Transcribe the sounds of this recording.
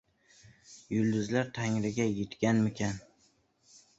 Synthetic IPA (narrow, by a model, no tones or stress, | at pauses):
jʊlˠd̪ʊzlaɾt̪ʰaŋɾɪɡʲajet̪kʲanmɪkʲʰan